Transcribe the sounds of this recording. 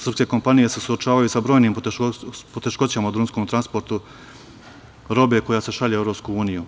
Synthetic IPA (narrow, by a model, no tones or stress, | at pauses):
sɾr̩pskeko̞mpanije̞se̞suot͡ʃaːʋajusabɾojnim | pot̪e̞ʃko̞t͡ɕamaud̪ɾunsko̞mt̪ɾanspo̞ɾt̪u | ɾo̞be̞ko̞jase̞ʃaʎeevɾo̞pskuuːniju